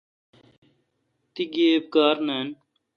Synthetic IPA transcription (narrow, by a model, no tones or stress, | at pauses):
t̪iɡeːb̚ɡaːɾneːn